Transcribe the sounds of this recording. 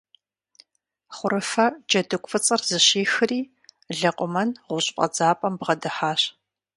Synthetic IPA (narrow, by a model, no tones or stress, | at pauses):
χʷʊɾɨfɐd͡ʒɐdɨkʷʼfɨt͡sʼɐrzɨɕeːxɨriː | ɮɐqʷʼʊmɐnʁʷʊɕʼpʼɐ̰d͡zaːpʼɐmbʁɐdɨħaːɕ